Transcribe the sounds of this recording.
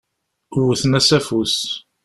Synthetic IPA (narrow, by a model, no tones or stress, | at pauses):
wəθənæsæfus